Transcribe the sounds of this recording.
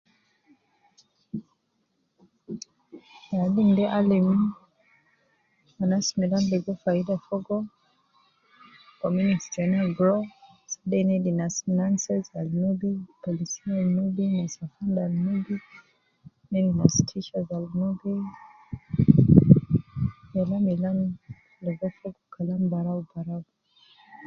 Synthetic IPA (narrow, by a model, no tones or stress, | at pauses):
alimdɛʔalim | anasmɛdandɛɡɔfaidafɔɡɔ | kɔmuniksd͡ʒɛnalɡɾɔ | sadɛnɛlinasnansɛzalnubipɔlisinalnubinasafandalnubi | nɛlinastʰiʃazalunuɡi | jalamilam | lɛvɛfɔɡɔkʰalambaɾaubaɾaɡu